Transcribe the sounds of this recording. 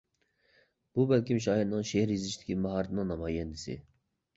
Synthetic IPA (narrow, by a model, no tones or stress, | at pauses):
b̥ubɛlkʲimʃ̬ɑːhiɾnɨŋʃehɾjizɪʃʰt̪ʰɪ̥kʲʰimɑɦɑɾt̪ʰɨnɨŋnɑmɑːjɛnd̪ɪsɪ̰